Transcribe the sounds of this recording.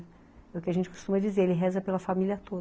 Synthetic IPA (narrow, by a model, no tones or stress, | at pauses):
ɛʊkɪaʒẽnt͡ʃɪku̥st̪ũmɐd͡ʒizeɾelɪɦɛzɐpelɐfamilʲiɐt̪od̪